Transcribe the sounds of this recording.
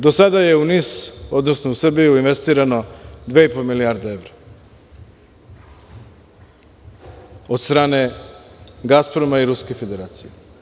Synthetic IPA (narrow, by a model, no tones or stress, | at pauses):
d̪o̞sad̪aje̞uniso̞d̪no̞snousr̩bijuinʋest̪iːɾano̞d̪ʋeipolmiliaɾd̪ee̞ʋɾa | o̞d̪st̪ɾaːne̞ | ɡaspɾomaiɾuskefe̞d̪e̞ɾaːt̪sije